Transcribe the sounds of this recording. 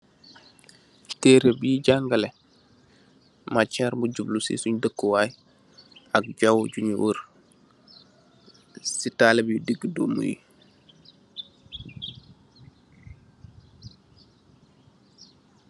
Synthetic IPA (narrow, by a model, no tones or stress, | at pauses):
teɾebiɟaŋɡale | mat͡ʃaɾmuɟublusḭsuɲdəkːuwaj | ak̚ɟawɟuɲ̰wuɾ | sitalebjudiɡdomṵjḭ